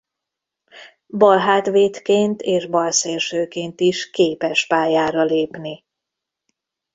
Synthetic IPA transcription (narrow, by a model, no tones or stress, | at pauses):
bɒlɦaːt̪ʋeːt̪keːnt̪ʰeːʒbɒlseːrʃøːkeːnt̪iʃkeːpɛʃpaːjaːɾɒleːpni